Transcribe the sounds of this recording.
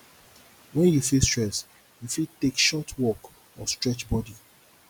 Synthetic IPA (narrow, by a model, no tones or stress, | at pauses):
wɛ̃njufilstɹɛs | jufiltekʃɔtʰwɔk | ɔstɹɛt͡ʃbɔdi